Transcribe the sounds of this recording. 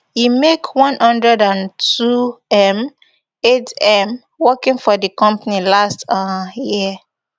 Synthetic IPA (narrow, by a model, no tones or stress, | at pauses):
jimekwɔ̃nhʌ̃ndɹɛdãntuɛm | etɛ̃m | wɔkĩŋfɔdikɔ̃mpanilastji